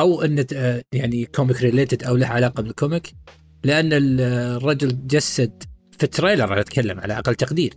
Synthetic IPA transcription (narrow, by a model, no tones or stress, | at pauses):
ʔawʔɪnːjaʕnikʰomɪkɾɪleːt̪ɪd̪ʔawlahʕalɑːqɑbɪnɪlkomɪk | lɪʔanːɪrˤːɑd͡ʒʊld͡ʒasːad̪ | fit̪ɾeːlɑɾˤɑħnat̪kʰalːa̰mʕa̰laʔa̰qɑlːt̪aqd̪iːɾ